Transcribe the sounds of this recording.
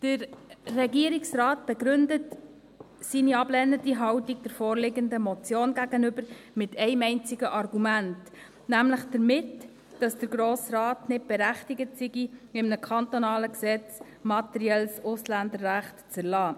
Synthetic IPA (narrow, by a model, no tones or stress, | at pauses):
d̥əɾrɛɡiəɾiksrɑːt̚b̥ɛɡɾʏndət | siniɑblɛnədiɦɑwtiɡ̚d̥ɛɾfoːɾlɪɡəndəmɔt͡sjoːnɡæɡ̥ənʏbəɾmɪtɛɪmɛɪnt͡sɪɡəʔɑrɡumænt | næmləχd̥əɾmɪt | d̥ɑsd̥əɾɡɾoːsrɑːtnɪt̚b̥ɛɾæχtɪɡətsiɡiɪmnəkʰɑntonɑːləksɛt͡s | mɑtɛɾiɛlsʊslændəɾːæχtt͡səɾlɑː